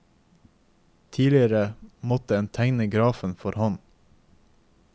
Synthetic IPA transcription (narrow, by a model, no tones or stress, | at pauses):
t̪ʰiːlɪəɾəmɔt̪əɛːnt̪ʰæŋnəɡɾɑːfən̩fɔɾhɔn